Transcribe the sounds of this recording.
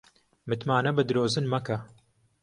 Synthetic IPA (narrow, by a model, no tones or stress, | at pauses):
mɨt̪maːnɐbɨd̪ɨɾoːzɨnmɐkɐ